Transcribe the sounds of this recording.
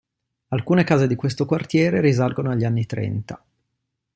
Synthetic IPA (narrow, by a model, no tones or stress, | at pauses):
alkuːnekaːzed̪ikwest̪okwart̪jɛːɾeɾizalɡonoaʎːanːit̪ɾɛ̰nt̪a